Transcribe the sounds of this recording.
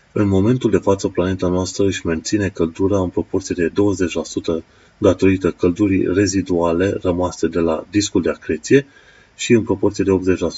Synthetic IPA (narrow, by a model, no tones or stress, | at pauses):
ɨnmo̞me̞nt̪uld̪e̞fat̪səplane̞t̪anoast̪ɾəɨʃʲme̞nt̪sine̞kəld̪uɾaɨnpɾo̞po̞rt̪sije̞d̪e̞d̪o̞wəze̞t͡ʃʲlasut̪ə | d̪at̪o̞ɾit̪əkəld̪uɾḭre̞zid̪uale̞rəmase̞d̪e̞la̰d̪iskuld̪eakɾe̞t̪sije̞ | ʃiɨnpɾo̞po̞rt̪sije̞d̪e̞o̞p̪ze̞t͡ʃʲlasu̥